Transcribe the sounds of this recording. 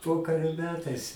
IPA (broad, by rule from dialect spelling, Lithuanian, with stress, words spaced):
ˈpoːkɐrʲoː ˈmʲæːtɐɪs